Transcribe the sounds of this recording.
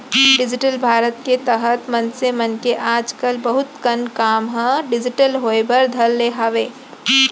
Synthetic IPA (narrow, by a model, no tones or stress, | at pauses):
ɖɪd͡ʒɪʈəlbʱaːɾət̪̚ket̪əɦət̪mənsemənkeʔaːd͡ʒkəlbəɦʊt̪kənkaːmɦə̃ɖɪd͡ʒɪʈəlɦoebʱəɾd̪ʱəlːeɦaːʋeː